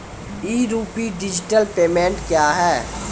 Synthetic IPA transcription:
iːɾuːpiɖɪd͡ʒɪʈəlpeːmẽːɳʈkjaːɦɛː

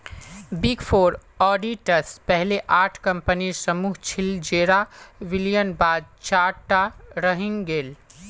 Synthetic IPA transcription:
biɡpʰoːɾ | ɔːɖiʈəspɛɦleʔaːʈʰkə̃mpənisəmuːɦt͡ʃʰild͡ʒeːɾaʋiljənbaːd̪̚t͡ʃaːɾʈaɾəɦĩŋɡeːl

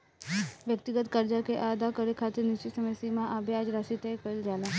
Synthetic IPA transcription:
ʋjək̚t̪ɪɡət̪kəɾd͡ʒakeʔaəd̪akəɾekʰaːt̪ɪɾnɪst͡ʃisəməsimãʔabead͡ʒɾasit̪ekəld͡ʒaːlaː

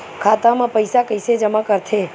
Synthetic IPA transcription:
kʰat̪amãpəjsakəjsed͡ʒəmakəɾt̪ʰe

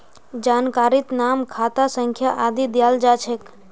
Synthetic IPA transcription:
d͡ʒaːnkaɾit̪namkʰat̪asəŋkʰjaʔad̪id̪jald͡ʒat͡ʃʰek

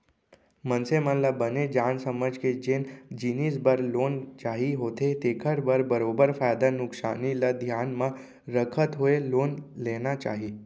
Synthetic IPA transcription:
mənsemənlabəned͡ʒaːnsəməd͡ʒked͡ʒeːnd͡ʒinisbəɾloːnt͡ʃaːɦiɦoːt̪et̪ekʰəɾbəɾbəɾobəɾfaːjd̪anʊksa̰ːnilad̪ʱjaːnmã | ɾəkʰət̪ɦoeloːnlenat͡ʃa̰ːɦi

